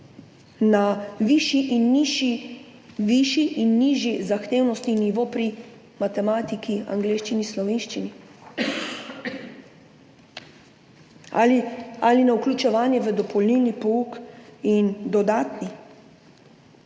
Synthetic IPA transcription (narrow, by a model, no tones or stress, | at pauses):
naʋiʃiʔinːiʃi | ʋiʃiʔinːiːʒjizaxt̪eːwnɔst̪niniʋopɾi | mat̪ɛmaːt̪ikʰia̰ŋɡleːʃt͡ʃinislɔʋeːnʃt͡ʃini | alialinauklʲut͡ʃɛʋaːnjɛʋəd̪ɔpɔlnilnipɔuːkind̪ɔd̪aːt̪ni